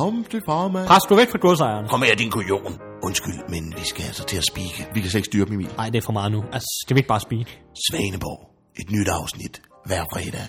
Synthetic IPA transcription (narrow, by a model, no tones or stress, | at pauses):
ɒmt͡sefɑmæpʰʁasd̥uæɐʋeɡ̥fʁɑ̈ɡ̥uɐsɑ̈ɪɐnkʰɒ̽m̰ɐjad̥inkʰojo̝̰ːn | ʔɔ̽nsɡ̥yl̰menʋisɡ̥æælsɐt͡sʰe̝æsb̥iːɡ̥əʋikʰæsɔle̝ɡ̥sd̥yːɐb̥m̩imḭn̩nɑ̈ɪ̰d̥eɐfɒ̽mɑ̈ːð̩ˠnuælsʌ̥d̥eʋeeɡ̥̚bɑ̈ːsb̥iːdsʋɛːnəb̥ɒ̰ː | ʔe̝d̥nyd̥ɑ̈ʊsnid̥ | ʋæɐfʁɛːd̥ɛ